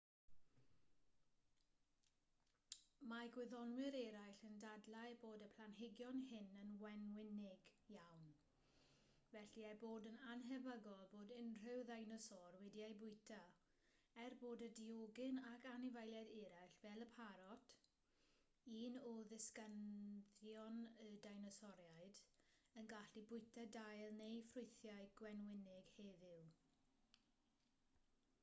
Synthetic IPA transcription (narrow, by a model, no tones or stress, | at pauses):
maɡwɪðɔnwɪɾɛɾajɬəndadlajboːdəpʰl̥anɦɪɡjɔnɦɪnənwɛnwɪnɪɡjawn | vɛɬiajboːdənanɦɛvəɡɔlˠboːdɪnr̥ɪwðajnɔsɔrwɛdiajbʊɨtʰa | ɛrboːdədioɡɪnakʰanɪvajlˠjadɪɾaɬvɛlˠəpʰaɾɔtʰ | iːnɔðɪskənðjɔnədajnɔsɔɾjaɨdənɡaɬibʊɨtʰadajlˠnejfrʊjθjaɨɡwɛnwɪnɪɡ̥hɛːvɪw